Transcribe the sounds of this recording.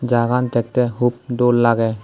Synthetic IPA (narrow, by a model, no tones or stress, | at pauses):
d͡ʒaɡant̪ɛk̚tɛɦup̚dolːaɡɛ